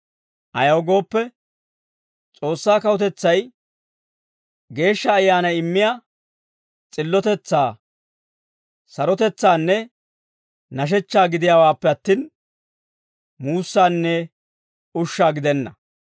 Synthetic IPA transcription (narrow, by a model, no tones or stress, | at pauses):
ʔɐjɐwɔɡo̞ːpːɛ | t͡sʼo̞ːsːaːkɐwɔt̪ɛt͡sːɐj | ɡe̞ːʃːɐːjːaːnɐjɪmːɪjaː | t͡sʼɪlːɔt̪ɛt͡sːaː | sɐɾɔt̪ɛt͡sːaːnːɛ | nɐʃ̬ɛt͡ʃːaːɡɪd̪ɪjaːwaːpːɛɐt̪ːiːn | muːsːaːnːɛ | ʊʃːaːɡɪd̪ɛnːɐ